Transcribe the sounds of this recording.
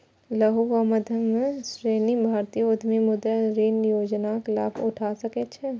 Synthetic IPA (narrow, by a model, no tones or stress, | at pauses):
lɐɦuʋamɐd̪ʱjɐmsɾeːnibʱaːɾt̪ijʊd̪ʱmemʊd̪əɾiːnjoːd͡ʒnaxɪlaːbʊʈʰaːsɐket͡ʃʰɛ